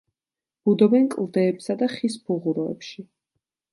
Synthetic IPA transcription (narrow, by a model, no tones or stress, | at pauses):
b̥ud̪ɔbɛnkʼlˠd̪ɛːpsad̪aχispʰuʁuɾɔɛ̰pʃi